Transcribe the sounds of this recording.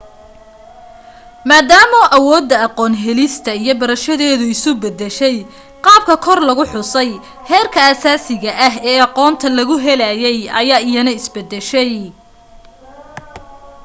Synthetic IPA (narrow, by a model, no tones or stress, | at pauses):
maːd̪aːmɔʔɐwɔːd̪ːɐɑqɔːnɦɛlɪst̪ʰɐijɞbɐɾɐʃɐðɛːðʊɪsʊbɛd̪ɛʃɛj | qɑːb̚kʰɐkʰɔrlɐɣʊħʊsɛj | hɛːrkʰɐaːsaːsɪɣɐʔɐɦɛːɑqɔːnt̪ʰɐlɐɣʊɦɛlajɛjʔɐ̰jaːɪjɐnɐɪsbɐd̪ːɛʃɛj